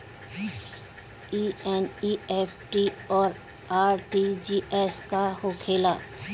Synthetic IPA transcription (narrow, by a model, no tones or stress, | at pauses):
iːɛnieːpʰʈiɔːɾ | aːɾʈid͡ʒiʔeskahokʰeːla